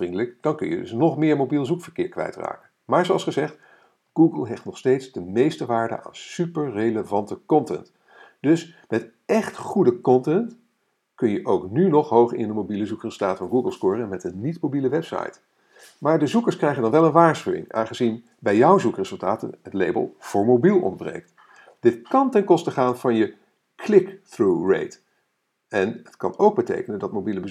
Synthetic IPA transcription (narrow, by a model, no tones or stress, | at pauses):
rindələkd̥ɑnkɵnjədɵ̰snɔχmɪːɹmowbilˠzukfəɹkɪːɹkʋɛ̰jtra̰ːkənmaːɹzowɑlˠsχəzɛχt | ɡ̥uːɡəlˠɦejftnɔχstejtzdəmejstəʋaːɹdə̰ʔa̰ːnsypəɹrejləvɑntəkɔntɛ̰nt | d̥ɵsmɛt | ɛχtχudəkɔntɛnt | kɵnjəʔowknynɔχɦowχɪ̰ndəmobiləzukrezəlˠtaːtfɑnɡuːɡəlˠstʊːrɛnmɛtənːitmowbiləʋɛpsɑ̰jt | maːɹdəzukəɹskrɛjχəndɑnʋɛlˠənʋaːɹsχywɪ̰ŋʔa̰ːnχəzin | bɛjjʌwzukrez̥ɵlˠtaːtə̰nɦətlejbə̰lˠv̥ʊːɹmobilˠɔ̰nbrḛjk̚t | d̥ɪtkɑntɛnkɔstəχaːnv̥ɑnjə | kʰlɪkθɹurḛjt | ɛnətkɑ̰nowɡ̚bətḛjkənəndɑtmowbiləbə